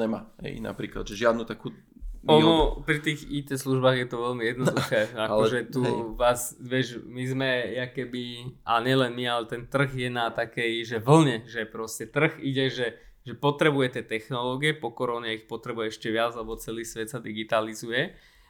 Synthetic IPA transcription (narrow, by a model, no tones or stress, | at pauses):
ɲɛmaːɦɛ̰jna̰pɾiːkla̰d̪ʒɛʒɪad̪nuːt̪akuː | ɔnɔpɾit̪iːɣicɛsluʒbaːɣjɛt̪ɔʋɛlmijɛd̪nɔd̪xɛːaɔʒɛt̪uʋaːzʋɪɛʒmizmɛjakɛbiʔaɲɛlɛnmialɛt̪ɛnt̪r̩ɣjɛnat̪akɛjʒɛʋl̩ɲɛʒɛpɾɔscɛt̪r̩ɣiɟɛʒɛ | ʒɛpɔt̪ɾɛbujɛcɛt̪ɛxnɔlɔːɡiɛpɔkɔɾɔɲɛixpɔt̪ɾɛbujɛɛʃcɛʋɪad͡zlɛbɔt͡sɛliːsʋɛt̪sad̪iɡit̪alizujɛ